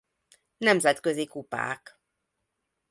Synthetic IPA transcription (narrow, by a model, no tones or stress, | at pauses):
nɛmzɛt̪køzikupa̰ːk